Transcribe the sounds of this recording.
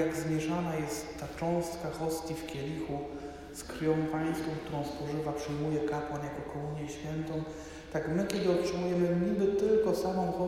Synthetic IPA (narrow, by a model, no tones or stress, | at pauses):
jaɡzmʲjɛʂanajɛst̪ːat͡ʂɔ̃w̃st̪kaxɔst̪ʲifkʲɛlʲixu | skɾjɔ̃w̃paj̃st̪fɔ̃w̃k̚t̪uɾɔ̃w̃spɔʐɘvapʂɘjmujɛkapwanjakɔkɔmuɲjɛɕfʲjɛnt̪ɔ̃w̃ | t̪akmɘkʲɛd̪ɘɔtʂɘmujɛmɘɲibɘt̪ɘlkɔsamɔ̃w̃xɔ